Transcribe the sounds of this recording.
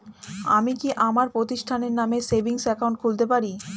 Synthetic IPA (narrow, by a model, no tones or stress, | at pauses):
amikiʔamaɾpɾot̪iʃʈʰaneɾnamesebʱiŋsɛkawnɳʈkʰult̪epaɾi